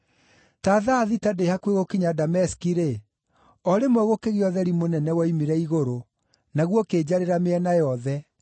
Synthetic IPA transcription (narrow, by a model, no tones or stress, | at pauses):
taːðaːðitadehakweɣokiɲadamɛskiɾe | ɔɾemwɛɣokeɣiɔðɛɾimonɛnɛwaimiɾɛiɣoɾo | naɣwɔkeːd͡ʑaɾeɾameɛnajɔðɛ